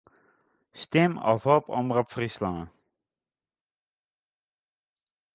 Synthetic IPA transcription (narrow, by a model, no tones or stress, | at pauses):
st̪ɛmɔ̰fhɔpɔ̰mrɔpfrislãːn